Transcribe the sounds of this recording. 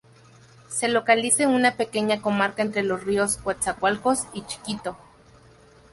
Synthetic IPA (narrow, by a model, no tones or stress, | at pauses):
selokaliseunapekeɲakomaɾkaent̪ɾelosrioskwat͡sakʷalkosit͡ʃi̥kit̪o